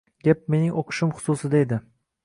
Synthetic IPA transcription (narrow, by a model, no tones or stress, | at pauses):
ɡʲap̚me̞nɪŋoqʰɨ̥ʃɪmχʊ̥susɪd̪aed̪ɪ